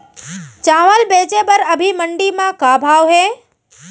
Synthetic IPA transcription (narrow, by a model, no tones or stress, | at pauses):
t͡ʃãːʋəlbeːt͡ʃepəɾəbʱiməɳɖimãkabʱaːʋɦeː